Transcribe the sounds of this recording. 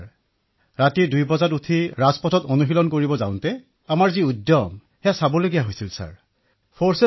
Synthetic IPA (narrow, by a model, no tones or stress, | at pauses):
ɹatidujpɔzatutʰiɹazpɔtʰɔtonuɦilɔnkoɹibɔzã̰ʊ̃ntɛ | amaɹziudjɔm | hɛjasabɔloɡijaɦojsilsa̰ɹ | pʰoɹse